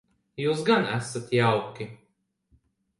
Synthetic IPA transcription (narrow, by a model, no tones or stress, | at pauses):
juːsɡanæsat̪jawkʲi